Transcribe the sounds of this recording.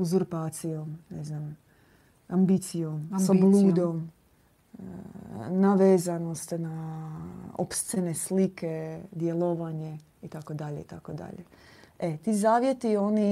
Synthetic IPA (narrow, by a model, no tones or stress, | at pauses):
uzuɾpaːt̪sijomneznam | ambit̪sijomsablˠuːd̪om | naʋeːzanost̪na | o̰pst̪senesliked̪jeloʋaɲe | it̪akod̪aʎeit̪akod̪a̰ʎḛet̪izaːʋjet̪io̞ni